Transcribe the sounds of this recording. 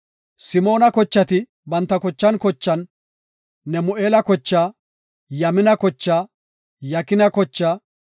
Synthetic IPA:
sɪmo̞ːnɐkɔt͡ʃːɐt̪ɪ | bɐnt̪ːɐkɔt͡ʃːɐnkɔt͡ʃːɐnː | ɛmʊʔeːlɐkɔt͡ʃːaː | jɐmɪnɐkɔt͡ʃːaː | jɐkɪnɐkɔt͡ʃːaː

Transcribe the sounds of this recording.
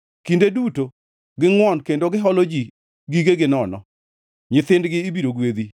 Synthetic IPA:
kindeduto | ɡɪŋwɔnkendoɡɪɦɔlod͡ʒi | ɡiɡeɡɪnɔnɔ̰ | ɲɪt̪ɪndɡɪːbiɾoɡwed̪i

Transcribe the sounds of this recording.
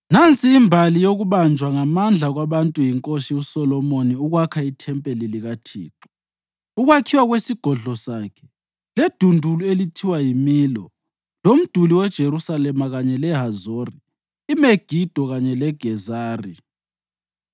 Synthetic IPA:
nant͡sʼiːmbʱalijoɣuβand͡ʒʱwaŋamand͡ɮʱaɣwaβantʼujiŋkʼoʃiusɔlɔmoniuɣwakʰaitʰɛmpʼeliliɣatʰḭːǁɔ̥ | uɣwakʰiwaɣwesiɡ̥ʱɔɮɔsaːkʰɛ̥ | led̥ʱundʱuluelitʰiwajimiːlɔ̰ | lom̩d̥ʱuliwɛd̥ʒ̥ʱeɾusalɛmaɣaɲɛlɛɦazoriː | meɡ̥ʱid̥ʱɔɣaɲɛlɛɡ̥ʱɛzaːri

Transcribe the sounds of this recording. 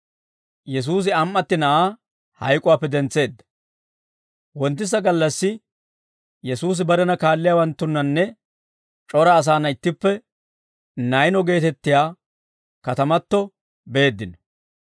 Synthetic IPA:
jɛs̬uːs̬ɪɐmːɐt̪ːɪnɐʔaː | hɐ̰jkʼʊwaːpːɛd̪ɛnt͡sːe̞ːd̪ːɐ̥ | wɔnt̪̬ːɪs̬ɐɡɐlːɐsːɪ | jɛsuːs̬ɪbɐɾɛnɐkaːlːɪjawɐnt̪ːʊnːɐnːɛ | t͡ʃʼɔɾɐːs̬aːnɐɪt̪ːɪpːɛ | nɐjnɔɡe̞ːt̪ɛt̪ːɪjaː | kɐt̪ɐmɐt̪ːɔ | be̞ːd̪ːɪnɔ̥

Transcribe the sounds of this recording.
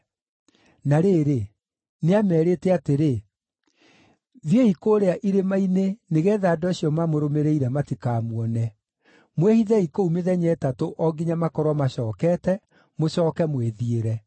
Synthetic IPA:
naɾeɾe | neamɛːɾeːtɛateɾe | ðjeikoːɾeaʔiɾemaineneɣɛːðaːdɔeɕijɔmamoɾomeɾeiɾɛmatikaːmwɔnɛ | mwehiðɛikoumeðɛɲɛtatoʔɔɡiɲamakɔɾwamaɕɔːkɛtɛ | moɕɔːkɛmweðieɾɛ

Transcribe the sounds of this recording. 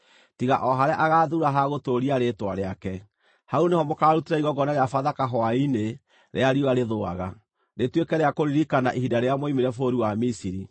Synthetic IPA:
tiɣa̰ʔɔɦaɾeaʔaɣaðuɾaɦaɣotoɾiaɾetwaɾeakɛ | haunehɔmokaːɾutiɾaiɣɔɡɔnaɾeafaðakaɦɔaine | ɾḛaɾioaɾeðoaɣa | netwekɛɾeakoɾiɾikanaʔihidaɾeamoimeɾɛfoɾiwamisiɾi

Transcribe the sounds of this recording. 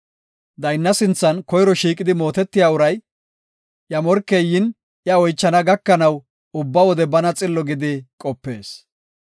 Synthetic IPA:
d̪ɐjnːɐsɪnt͡sːɐnkɔjɾɔʃiːkʼɪd̪ɪmo̞ːt̪ɛt̪ːɪjaːʊɾɐj | ʔjɐmɔɾkːejːɪn | ʔjɐɔjt͡ʃːɐnɐɡɐkːɐnɐw | ʊbːɐwɔd̪ɛbɐnɐt͡sʼɪlːɔɡɪd̪ɪkʼɔpːe̞ːs

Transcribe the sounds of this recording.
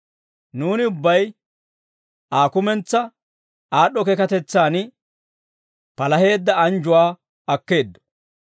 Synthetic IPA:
nuːnɪʊbːɐj | aːkʊmɛnt͡sːɐ | aːɗɔkɛkɐt̪ɛt͡sːaːnɪ | pɐlɐɦe̞ːd̪ːɐɐnd͡ʒʊwaː | ɐkːe̞ːd̪ːɔ̥

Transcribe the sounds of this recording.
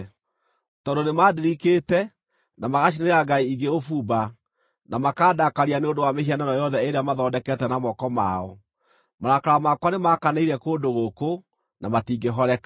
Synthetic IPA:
tɔdonemadeɾiketɛ | namaɣaɕineeɾaɡaiiɡeofuba | namakaːdakaɾianeondowamehiananɔjɔðɛeɾeamaðɔːdɛkɛtɛnamɔkɔma̰ɔ | maɾakaɾamakwanemakaneiɾɛkoːndoɣoko | namatiːɡeɦɔɾɛkḁ

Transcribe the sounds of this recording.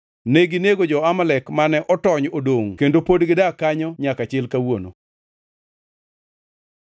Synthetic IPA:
neɡineɡod͡ʒɔamalɛkmanɛʔɔtɔɲodoŋkendopodɡɪdakaɲɔɲakat͡ʃɪlkawono̰

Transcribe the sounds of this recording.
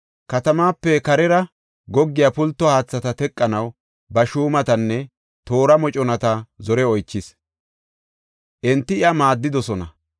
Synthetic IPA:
kɐt̪ɐmaːpːɛkɐɾɛɾɐ | ɡɔɡːɪjapʊlt̪ːɔhaːt͡sːɐt̪ɐt̪ɛkʼːɐnɐw | bɐʃuːmɐt̪ɐnːɛ | t̪o̞ːɾɐmɔt͡ʃʼɔnɐt̪ɐzɔɾɛɔjt͡ʃːɪs | ʔɛnt̪ːɪɪɐmaːd̪ːɪd̪ɔsɔnɐ

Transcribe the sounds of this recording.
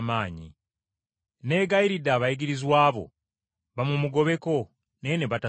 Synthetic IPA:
maːɲḭ | ne̞ːɡaiɾidːaːβajiɡiɾizwaːβo̞̰ | βamumuɡo̞βe̞ko̞ | neene̞βata

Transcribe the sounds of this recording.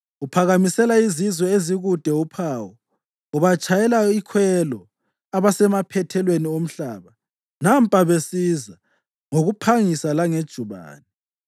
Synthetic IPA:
upʰaɣamisɛlaizizwɔeziɣud̥ʱɛupʰaːwɔ | uβat͡ʃʼajɛlaikʰwɛlɔ | aβasɛmapʰɛtʰɛlweniom̩ɬaːβa | nam̩pʼaβesiza | ŋoɣupʰaŋisalaŋed̥ʒ̥ʱuβa̰ːnɛ

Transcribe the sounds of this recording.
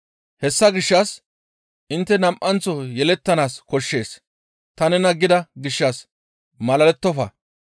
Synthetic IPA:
hɛsːɐɡɪʃːɐs | ʔɪnt̪ːɛnɐmʔɐnt͡sːɔjɛlɛt̪ːɐnaːskɔʃːe̞ːs | t̪ɐnɛnɐɡːɪd̪ɐɡɪʃːɐs | mɐlɐlɛt̪ːɔfɐ̰

